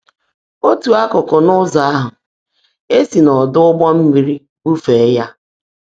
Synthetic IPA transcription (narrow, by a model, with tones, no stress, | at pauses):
o˦tu˨a˦kʊ˨kʊ˨nʊ˦za˨a˦ɦʊ˨ | e˦si˨nɔ˨dʊ˦ʊ˦ɡ͡bɔ˦m̩˦mi˦ɾi˦ | bu˦fe˨˦ja˦